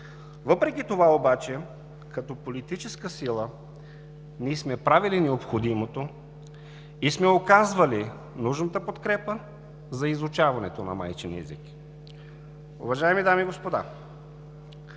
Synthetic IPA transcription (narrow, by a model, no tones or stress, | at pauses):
vəpɾɛkʲit̪ovaobat͡ʃɛ | kɐt̪ɔpolit̪it͡ʃɛskəsilˠə | niɛsmɛpɾavilinɛopxod̪imot̪o | ismɛokazvɐli | nuʒnət̪əpot̪kɾɛpə | zɐizʊt͡ʃavɐnɛt̪onɐ̰ma̰jt͡ʃɛnɛ̰zik | ʊ̰vɐʒaɛmid̪amiɡospod̪a̰